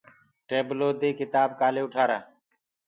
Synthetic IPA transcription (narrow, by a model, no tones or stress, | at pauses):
ʈeːbloːd̪eːkɪt̪aːb̚kaːleːʊʈʰaːɾaː